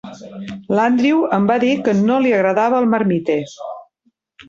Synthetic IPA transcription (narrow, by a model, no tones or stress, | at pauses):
land̪ɾiwəmbaðikənoliəɣɾəðaβəəlˠməɾmit̪e